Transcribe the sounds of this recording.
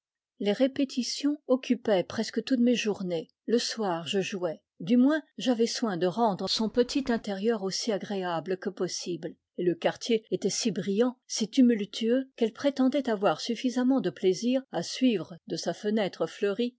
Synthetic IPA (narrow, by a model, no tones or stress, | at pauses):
leʁepet̪ʰisjɔ̃ɔkʲʰypɛpχɛskət̪ut̪meʒuʁne | ləswaʁʒəʒuɛ | d̪ymwɛ̃ʒavɛswɛ̃d̪əʁɑ̃d̪ʁəsɔ̃pət̪ʰit̪ɛ̃t̪eʁjœʁosiaɡʁeabləkəpɔsibl | eləkaʁt̪jeet̪ɛsibʁijɑ̃sit̪ymylt̪ʰyøkɛlpχet̪ɑ̃d̪ɛt̪avwaʁsyfizamɑ̃d̪əpleziːʁasɥivʁəd̪əsafənɛt̪χəfləʁi